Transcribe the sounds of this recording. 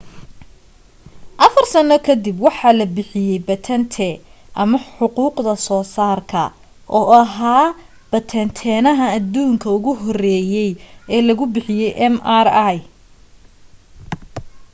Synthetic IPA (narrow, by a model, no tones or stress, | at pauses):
ʔɐfɐrsɐnɔkʰɐd̪ibwɑħɑːlɐbɪħɪjɛjbɐt̪ʰɛnt̪ʰɛ | ʔɐmɐħħʊquːqd̪ɐsɔːsaːrkʰɐ̰ | ʔɔːʔɐɦaː | b̥ɐt̪ʰɛnt̪ʰɛːnɐɦɐːd̪uːŋkʰɐʊɣʊɦɔrɛːjɛjɛːlɐɣʊbɪħɪjɛjʔɛmaraj